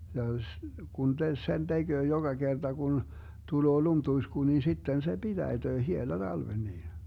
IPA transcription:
jɑ s ɡ̊un te sen d̥eɡ̊øː joɡ̊ɑ ɡ̊erd̥ɑ ɡ̊un tuloː lumtuisku nin̞ sitːen se b̥id̥æid̥øː hielɑ d̥ɑlʋen niː

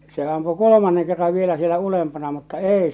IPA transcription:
se ɑmpu kolomɑnːeŋ kerːɑʋ ʋielæ sielæ ulempɑnɑ mutːɑ eˑi

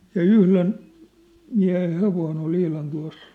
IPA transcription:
jɑ yhlen miæ̝hen̞ heʋoin ol ihlɑn tuɑ̝s

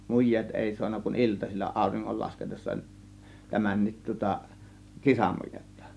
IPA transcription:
mujˑeːt eˑi suɑnːɑ kun iltɑsilʲːɑ ɑˑo̝riŋːol lɑsketesːɑ tæmænːit tŭŏtɑ kisɑmujetːɑ̥

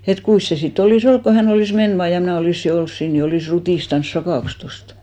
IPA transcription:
et kuis se sit oliˑs olk ko hæn oliˑs men ʋɑː jɑ mnæˑ oliˑsːi ols siːn ni oliˑs rutiˑstɑns sɑkɑˑks tostɑ̥

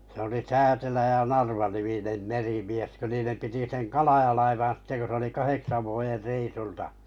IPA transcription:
se oli tæːtelæ jɑ nɑrʋɑniminem merimies kø niːnem piti seŋ kɑlɑj̆ɑlɑiʋɑn̞ sitːe ko se oli kɑheksɑ ʋuojer reisultɑ

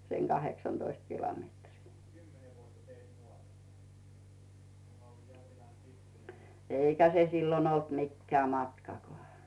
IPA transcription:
seŋ ɡ̊ɑheksɑnd̥oist kilometriː eˑikæ se silːon olt mikːeæ mɑtkɑkoɑˑ

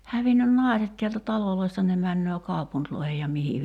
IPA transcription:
hæʋinːyn nɑˑi̞set tiæltæ tɑloloi̞stɑ ne mænːøː kɑupuntloihej jɑ mihi

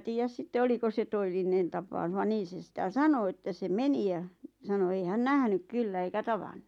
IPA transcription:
tiːjæs sitːe oliko se toelːinen tɑpɑu̞s̆ ʋɑ niːn̞ se sĭtæ sɑno ĕtːæ se meni j̆ɑ sɑno ei hæn næhnyk kylːæ eikæ tɑʋɑnːu

